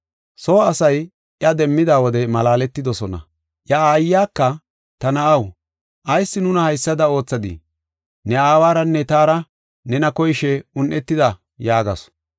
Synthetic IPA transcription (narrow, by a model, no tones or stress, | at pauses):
soːɐsɐj | ʔjɐd̪ɛmːɪd̪aːwɔd̪ɛmɐlaːlɛt̪ːɪd̪ɔsɔnɐ̰ | ʔjɐaːjːaːkːɐ | t̪ɐnɐʔɐw | ʔɐjsːɪnʊnɐhɐjsːɐd̪ɐo̞ːt͡sːɐd̪ḭ | nɛaːwaːɾɐnːɛt̪aːɾɐ | nɛnɐkɔjʃɛʊnʔɛt̪ːɪd̪ɐ | jaːɡɐ̰s